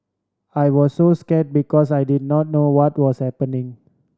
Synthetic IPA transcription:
ajwɔsːoskɛt̚bikɔsajdid̚nɔt̚nowɔtwɔshɛpənĩŋ

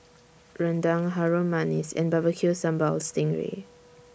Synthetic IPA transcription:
ɹãndãŋɦaɹomanisɛ̰̃nbavəkʰjusãmbɔlstɪ̃ŋɹḛ

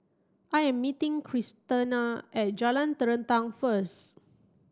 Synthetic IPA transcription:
ʔajɛ̃mːitĩŋkʰɹistənaʔɛt̚d͡ʒalãnt̪əɹə̃ntãŋfəs

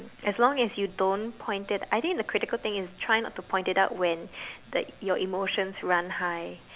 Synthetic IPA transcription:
ɛslɔ̃ŋɛsjudõnpʰɔ̃ɪ̃ntɪtajt̪ɪ̃ŋk̚d̪əkʰɹɪtɪkəlt̪ɪ̃ŋɪstʰɹajɪ̃ŋnɔtːupʰɔ̃j̃ntɪtaʊt̚wɛ̃ndjɔʔimoʃə̃nsɹãnhaɪ

